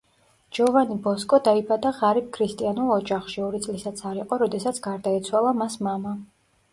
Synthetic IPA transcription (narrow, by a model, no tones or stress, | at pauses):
d͡ʒɔvanibɔskʼɔd̪aibad̪aʁaɾib̚kʰɾist̪ʼianulˠɔd͡ʒaχʃiɔɾit̪sʼlisat̪sʰaɾiqʼɔɾɔd̪ɛsat̪sʰɡ̥aɾd̪aɛt̪sʰwalˠamasmama